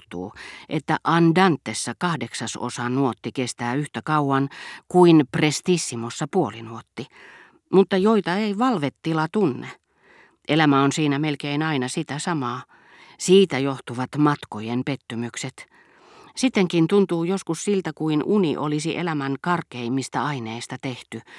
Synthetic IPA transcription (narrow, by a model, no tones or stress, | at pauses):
t̪ṵːʔet̪ːæʔɑndɑnt̪ːesːækɑhdeksɑso̰sɑnuot̪ːikest̪æːyht̪ækɑuɑnkuinprest̪isːimosːɑpuolinuot̪ːi | mut̪ːɑjoit̪ɑeiʋɑlʋet̪ːilɑt̪unːe | ʔelæmæonsiːnæmelkeinɑinɑsit̪æsɑmɑː | siːt̪æjoht̪uʋɑt̪mɑt̪kojempet̪ːymykset̪ | sit̪ːeŋkint̪unt̪uːjoskussilt̪ækuinʔuniʔolisiʔelæmæŋkɑrkeimːist̪æɑineist̪ɑt̪eht̪y